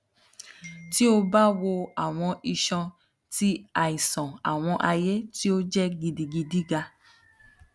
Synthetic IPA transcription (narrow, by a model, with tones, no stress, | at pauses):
ti˦o˧ba˦wo˧a˨w̃ɔ̃˧ʔi˨ʃɔ̃˧ | ti˦a˨i˨sɔ̃˨a̰˨w̃ɔ̃˧ʔa˧je˦ti˦o˦d͡ʒɛ˦ɡi˧di˧ɡi˧di˦ɡa˧